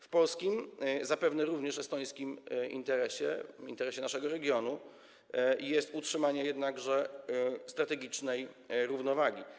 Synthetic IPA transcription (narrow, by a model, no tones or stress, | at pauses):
fpɔlskʲimzapɛvnɛɾuvɲɛʂɛst̪ɔj̃skʲimḭnt̪ɛɾɛɕɛ̰ḭnt̪ɛɾɛɕɛnaʂɛɡɔɾɛɡʲjɔnu | jɛst̪utʂɘmaɲɛjɛd̪naɡʐɛst̪ɾat̪ɛɡʲit͡ʂnɛjɾuvnɔvaɡʲi